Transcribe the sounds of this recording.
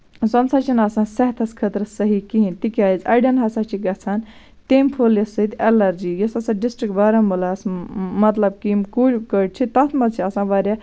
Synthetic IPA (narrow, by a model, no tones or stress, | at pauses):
zɐnsaːt͡ʃʰinɐsãːsɐɦt̪ʰɐskʰət̪ɾsɐɦikiɦint̪ikʲaːjizɐ̰jɖɐnɦɐsat͡ʃʰiɡɐt͡sʰaːn | t̪eːmpʰoːljɐsːɐit̪ɛlɐɾd͡ʒiːjɐsɐsãːɖisʈɾik̚ʈbaːɾɐmulaːsmɐt̪lɐb̚kimkuɾkəʈt͡ʃʰit̪ɐt̪ʰmɐzt͡ʃʰiɐsãːʋaːɾja